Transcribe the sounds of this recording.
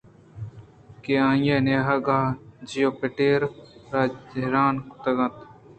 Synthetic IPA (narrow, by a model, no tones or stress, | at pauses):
keãːjeneɦɐɡaːd͡ʒijopeʈeːɾɾaːɾaːnt̪ɐɡɐ̃t̪